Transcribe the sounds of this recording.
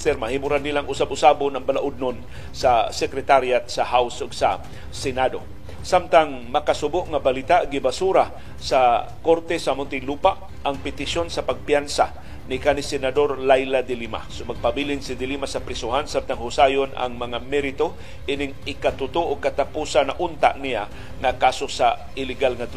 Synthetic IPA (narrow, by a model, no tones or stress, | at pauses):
t̪ɛɾmahɪmuɾanːilaŋʊsabʊsabonɐŋbalaʔʊd̪̚non | sasɛkɾɛt̪aɾjat̪sahawsoɡsa | sɛnad̪o | samt̪aŋ | mɐkasʊbʊʔŋabalɪt̪aʔɡɪbasuɾa | sa | koɾt̪ɛsaʔmʊnt̪ɪŋluːpaʔ | aŋpɪt̪ɪʃonsɐpaɡ̚pjansa | nɪkanɪsɛnad̪o̞ɾlajlad̪ɪlima̰somaɡ̚pabilɪnsɪd̪ɪlimasapɾɪsʊhansab̚t̪aŋhʊsaːjonʔa̰ŋmɐŋamɛɾɪt̪o | ʔinɪŋɪkat̪ʊt̪uʔokat̪apuːsanːɐʔʊnt̪a̰ʔnija | ŋakaːsosa | ɪlɪɡalŋad̪